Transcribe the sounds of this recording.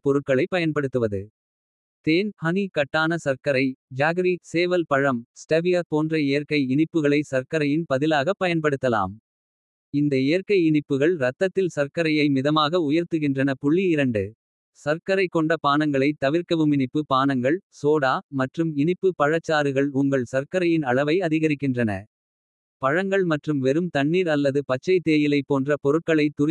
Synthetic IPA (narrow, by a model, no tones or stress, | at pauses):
pɔɾɯʈ̚kːɐɭɐɪpːɐjɐnpɐɽɯt̪ːɯʋɐðɯ̰ | t̪eːnhɐnikɐʈːaːnɐsɐɾkɐɾɐɪd͡ʒaːɣɾiseːʋɐlpɐɻɐmsʈɐʋɪjapoːndrɐejːɐɾkɐɪɪɳɪpːɯɣɐɭɐɪsɐɾkɐɾɐjɪnpɐðɪlaːɣɐpːɐjɐnpɐɽɯt̪ːɐla̰ːm | ɪnd̪ɐejɐɾkɐɪɪɳɪpːɯɣɐɭɾɐt̪ːɐt̪ːɪlsɐɾkɐɾɐjɐɪmɪðɐmaːɣɐʊjɐɾt̪ɯɣɪndrɐnɐpʊɭːiɪɾɐɳɖɯ | sɐɾkɐɾɐɪkːɔɳɖɐpaːnɐŋɡɐɭɐɪt̪ɐʋɪɾkɐʋɯmɪɳɪpːɯpaːnɐŋɡɐɭsoːɽaːmɐʈrɯmɪɳɪpːɯpɐɻɐt͡ʃːaːɾɯɣɐɭʊŋɡɐɭsɐɾkɐɾɐjɪnɐɭɐʋɐɪɐðɪɣɐɾɪkːɪndrɐnɐ̰ | pɐɻɐŋɡɐɭmɐʈrɯmʋɛɾɯmt̪ɐɳːiːɾɐlːɐðɯpɐt͡ʃːɐɪt̪ːeːjɪlɐɪpːoːndrɐpɔɾɯʈ̚kːɐɭɐɪt̪ʊɾ